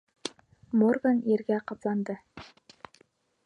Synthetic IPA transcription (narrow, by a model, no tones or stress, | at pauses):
morɡaneɾɡʲæqʰɑplˠɑnd̪ə